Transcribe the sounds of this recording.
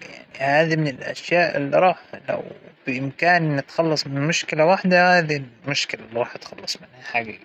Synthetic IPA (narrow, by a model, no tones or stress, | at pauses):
ja̰ʕnihaːd̪imɪnɪlʔa̰ʃjaːʔɪ̰lːiɾˤɑːħla̰wb̥ɪʔɪmkaːnʔnːɪt̪xɑlːɑsˤmɪnnmʊʃkɪlawaħd̪ahaːd̪ilmʊʃkɪlalːiɾɑːħt̪xɑlːɑsˤmɪnhaħaːɡa